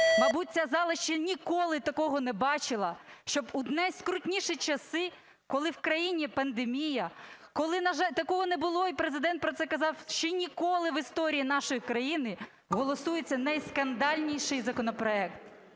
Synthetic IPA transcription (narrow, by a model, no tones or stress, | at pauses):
mɐjbut̚ʲt͡sʲɐzɑlˠɪʃt͡ʃɐnʲikɔlˠɪt̪ɐkɔɦɔnɛbɑt͡ʃɪlˠɐʃt͡ʃɔbʊd̪nɛjskɾʊtʲnʲiʃɪt͡ʃɐsɪ | kɔlˠɪwkɾɐjinʲipɐnd̪emʲijɐkɔlˠɪnɐʒɑt̪ɐkɔɦɔnebʊlˠɔipɾezɪd̪ɛnt̪̚pɾɔt̪sɛkɐzɑwʃt͡ʃɔnʲikɔlˠɪʋɪst̪ɔɾʲijinɑʃʊjkɾɐjinɪ | ɦɔlˠɔsujet͡sʲːɐnɐjskɐnd̪ɑlʲnʲijʃɪjzɐkɔnɔpɾɔɛkt̪